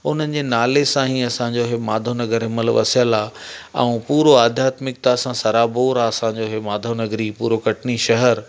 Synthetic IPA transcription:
ʊn̤ənɪ̆d͡ʑeːnaːlesãɦiɐsãːɲd͡ʑoɦemaːd̪ʱonɐɡəɾɦɪməlʋɐ̰sjəlaɛ̰̃ũpuːɾoaːd̪ʱjaːt̪mɪk̚t̪asãsɐɾaːboːɾaɐsãːɲd͡ʑoɦemaːd̪ʱonɐɡɾipuːɾokɐʈʰniʃɐɦəɾ

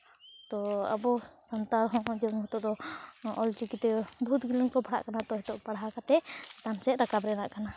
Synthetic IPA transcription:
t̪ɔa̰bɔsant̪aɾɦɔ̃ʔd͡ʒɛmɦɛt̪ɔʔd̪ɔɔlʈikit̪ɛbʱut̪ɡiliŋkɔbʱaɽa̰ʔkanat̪ɔɦɛt̪ɔʔpaɽɦakat̪ɛt̪ansɛt̪ɾakabɾɛnaʔkana

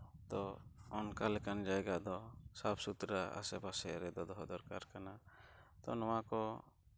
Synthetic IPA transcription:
t̪ɔɔnkalɛkand͡ʒajɡaʔd̪ɔsapʰsut̪ɾaa̰sɛpasɛɾɛd̪ɔd̪ɔɦɔd̪ɔɾkaɾkanat̪ɔnɔwakɔ

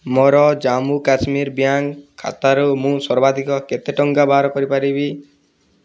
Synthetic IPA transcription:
mɔɾɔd͡ʒamukasmiɾbjaŋkkʰːa̰t̪aɾɔmũsɔɾbad̪ʱikɔket̪eʈɔŋɡabʱaɾɔkɔɾipaɾibi

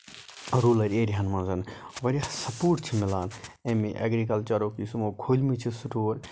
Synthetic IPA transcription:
ɾuːlɐɾeːɾiɦɐnmɐ̃nzɐnʋɐɾʲiasɐpuːʈt͡ʃʰimɪlaːnemiʔɐ̰ɡɾikɐlt͡ʃɐɾoːkisumoːkʰoːlʲmit͡ʃʰisuʈoːɾ

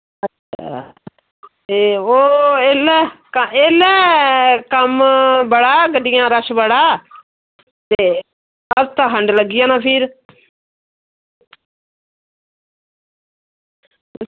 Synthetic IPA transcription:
ə | a | eːoːelɛkəeːlɛːkəmbəɽaːɡəɖɪjãːɾəʃbəɽaː | t̪eː | əɾt̪ãːkʰəɳɖləɡɪjãːnãːpʰɪːɾ

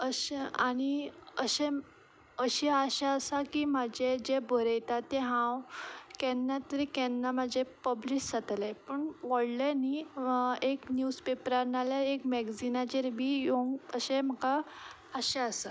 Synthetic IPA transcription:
əɕeaɽ̃iəɕe | əɕeaɕaəsakimad͡ʑed͡ʑebʱəɾəjt̪at̪ːɛɦãwkɛ̃nːat̪əɾikɛnːamad͡ʑepəbliɕd͡zat̪alepəɳʋəɽlani | eknjuspepɾanaljaekmɛɡd͡zinad͡ʑeɾbʱijoŋɡəɕɛ̃m̤əka | əɕeəsa

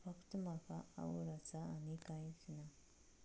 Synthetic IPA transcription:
fakt̪umakaa̰wuɾat͡saːnikajt͡sina

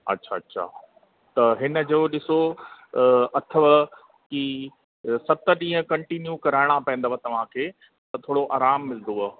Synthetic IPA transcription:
ɐ̰tːɕʰaːɐtːɕʰa̰ː | t̪ɐɦɪnə̆d͡ʑoːɗɪso | ɐt̪ʰəʋ | ki | sɐt̪ə̆ɗĩːɦə̃kɐ̃ɳʈiːnjukɐɾaːɪɽ̃apɐ̃ɪ̃nd̪oʋət̪ɐʋ̤ãkʰeː | t̪ɐt̪ʰoːɽoʔaːɾaːmːɪld̪o

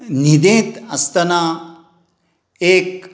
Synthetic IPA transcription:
nid̪ẽːt̪ɐst̪ɐnaː | eːk̚

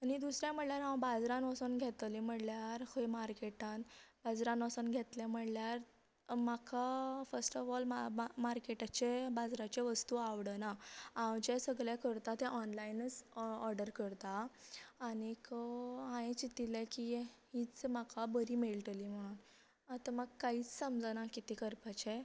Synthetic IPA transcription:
añid̪usɾjãm̤əɽljaɾɦãwbad͡zɾãnɔsunɡʱet̪lim̤əɽljaɾkʰəjmaɾkeʈãnbad͡zɾãnɔsunɡʱet̪lɛ̃m̤əɽljaɾ | makʰafəɾsʈəfɔlmamaɾkeʈat͡ɕebad͡zɾat͡ɕeʋəst̪uaʋɽənaawd͡ʑesəɡɭjakəɾt̪at̪ɛ̃ʔɔnlainət͡sɔɾɖəɾkəɾt̪aː | nikəɦãẽt͡ɕit̪ilekiɦiːt͡smakʰabəɾiːmelʈ̪əlim̤əɽ̃un | at̪amaɡkaɦiːt͡ssəmd͡zənakit̪ikəɾpat͡ɕe

